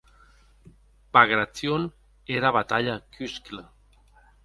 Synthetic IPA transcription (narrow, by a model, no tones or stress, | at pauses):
baɣɾat͡sion | eɾaβat̪aʎakyskla